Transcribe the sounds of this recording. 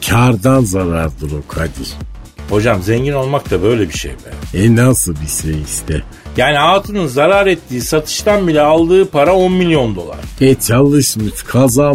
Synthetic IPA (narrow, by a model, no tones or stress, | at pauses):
cʰaɾd̪anzaɾaɾd̪ɯɾo̞kʰad̪iho̞d͡ʒamzɛɲɟino̞lˠmak̚t̪ʰabø̞jlʲɛbiʃḛjbæ̰nɛnasɯbiʃejist̪ʰɛ | jaːniaːt̪ʰɯnɯnzaɾaɾɛt̪ːiːsat̪ʰɯ̥ʃt̪ʰanbilʲɛalˠd̪ɯːpʰaɾao̞nmilʲjo̞nd̪o̞̰lˠa̰ɾ̥ɛt͡ʃʰalˠɯʃmɯʃkʰaza